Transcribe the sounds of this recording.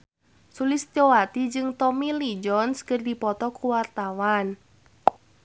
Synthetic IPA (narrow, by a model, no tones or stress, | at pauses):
sulɪst̪ɔwat̪id͡ʒɨŋt̪ɔmilid͡ʒɔnskərdipɔt̪ɔkuwart̪awan